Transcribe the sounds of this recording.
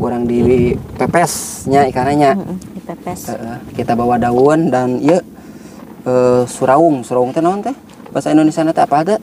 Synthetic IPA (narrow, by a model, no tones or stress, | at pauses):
uɾaŋdiwipɛpɛsɲaikaɾaɲa | əʔəkit̪abawadaundanijə | əsuɾaʊŋsuɾauŋt̪ɛnaunt̪ɛh | basaindonesianat̪aapaːɡa